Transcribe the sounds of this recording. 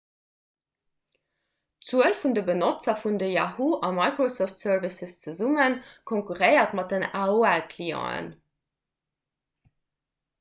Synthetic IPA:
t͡suəlfundəbənot͡sɐfundəjɑɦuʔɑmɑɪkrosoftsœrvisəst͡səzumənkʰõŋkuʁəɪɐtmɑt̚dənaːoælkʰliːɑ̰̃ːə̰n

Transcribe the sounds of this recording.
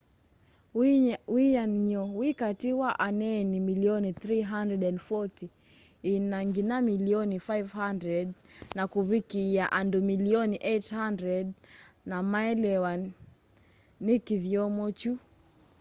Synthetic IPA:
wianɲɔwikatiwaʔanɛnimiliɔniθɾiɦandɾɛdɛndfɔti | inaŋɡinamiliɔnifajvhandɾɛdnakuβikiaʔandumiliɔniʔɛthandɾɛdnamaɛlɛwa | nikiðjɔmɔt͡ʃu

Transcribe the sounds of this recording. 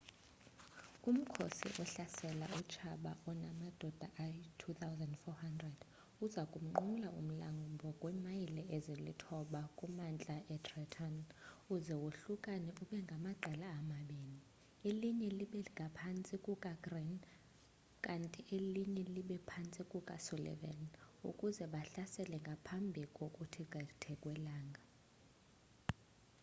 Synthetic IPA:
um̩kʰo̰sḭʔɔɬasɛla̰ut͡ʃʰaɓa̰ʔɔnamad̥ʱɔd̥ʱaʔatʰut̪ʰawzandfɔhandrɛd̥ | uzakʼum̩ŋ͡ǃulaum̩laŋɡumbʱɔkʼwɛmajilɛezilḭtʰɔɓakʼumant͡ɬʼaʔɛtrɛtʰanuzɛwoɬukʼanɛuɓɛŋɡʱamaǃʱɛlaːmaɓeːni | eliɲɛliɓɛŋɡʱapʰant͡sʼikʼukʼaɡrin | kʼantʼiʔeliɲɛliɓɛpʰant͡sʼikʼukʼasulɛ̰vɛ̰nṵkʼuzɛɓaɬasɛlɛŋɡʱapʰambʱikʼokʼutʰikʼɛtʰɛkʼwɛlaːŋɡʱa

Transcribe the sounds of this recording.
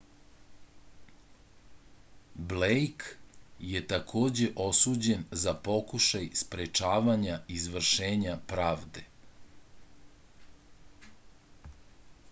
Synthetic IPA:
blejkjet̪akʰo̞ːd͡ʑe̞ʔo̞suːd͡ʑenzapo̞kuʃajspɾet͡ʃaːʋaɲaizʋr̩ʃeːɲapɾaːʋd̪e

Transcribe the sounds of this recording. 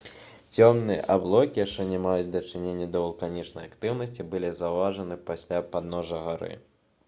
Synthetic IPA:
t͡sʲɔmnɨjɛ̰ʔablˠɔkʲijaʂt͡ʂɛnʲɛmajud͡zʲd̪ɐt͡ʂɨnʲenʲːɐd̪ɐvɐlˠkanʲit͡ʂnɐjakt̪ɨwnɐsʲt͡sʲibɨlʲizɐwvaʐɐnɨpasʲlʲapad̪nɔʐɐɣaɾɨ̰

